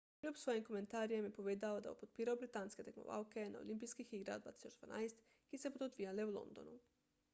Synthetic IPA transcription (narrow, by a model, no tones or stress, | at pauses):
lʲupsʋojimko̞ment̪aːɾijemjepo̞ʋeːd̪aod̪ajo̰pot̪̚piːɾaobɾit̪ansket̪ekmo̰ʋa̰wke̞na̰olʔimpijskixiɡɾa̰d̪ʋa̰ːt̪i̥sot͡ʃd̪va̰naːjst̪ | kisebod̪od̪ʋijaleulˠo̰nd̪o̞̰nṵ